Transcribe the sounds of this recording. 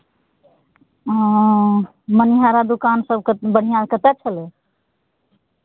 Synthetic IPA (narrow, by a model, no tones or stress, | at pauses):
məniɦaɾad̪ukansəb̚kbəɽ̤ijãkət̪ɛt͡ʃʰəle